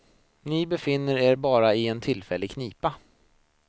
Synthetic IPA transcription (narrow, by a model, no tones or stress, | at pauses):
nɪbɛfɪnːəɾeːɾbɑːɾaɪɛnt̪ʰɪlfɛlːɪɡkʰniːpa